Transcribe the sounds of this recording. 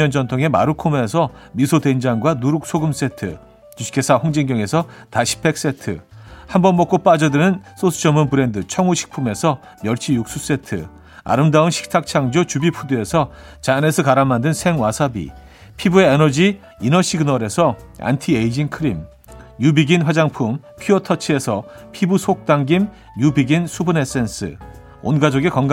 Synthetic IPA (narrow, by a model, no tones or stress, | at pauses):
ʌnd͡ʑʌntʰoŋe̞ma̰ɾukʰomees̬ʰʌmisʰodwend͡ʑaŋɡwanuɾuk̚s͈ʰoɡɯms͈e̞tʰɯ | t͡ɕuɕi̥kʰe̞sʰahoŋd͡ʑiŋɡjʌŋe̞sʰʌtaɕʰi̥p͈̚e̞k̚s͈e̞tʰɯ̰hambʌnmʌk͈op͈ad͡ʑʌdɯnɯns͈osʰu̥d͡ʑʌmːunpɯɾe̞ndɯt͡ɕʰʌŋuɕʰi̥k̚pʰume̞sʰʌ | mjʌɭt͡ɕʰijuk̚s͈us͈e̞tʰɯ̰ | a̰ɾɯmdaunɕʰi̥k̚tʰak̚t͡ɕʰaŋd͡ʑot͡ɕubipʰudue̞sʰʌ | t͡ɕane̞sʰʌkaɾamːandɯnsʰe̞ŋwasʰabḭ | pʰibueenʌd͡ʑi | inʌɕʰiɡɯnʌɾe̞sʰʌ | a̰ntʰieid͡ʑinkʰɯɾim | jubiɡinɸwad͡ʑaŋpʰum | pʰiotʰʌt͡ɕʰie̞sʰʌpʰibusʰok̚t͈aŋɡim | jubiɡinsʰubɯnes͈e̞ns͈ʰɯ̰ | o̰nɡad͡ʑoɡekʌŋɡa